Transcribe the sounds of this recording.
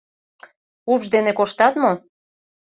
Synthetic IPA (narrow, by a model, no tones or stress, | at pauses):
upʒd̪enekoʃt̪ɑt̪mo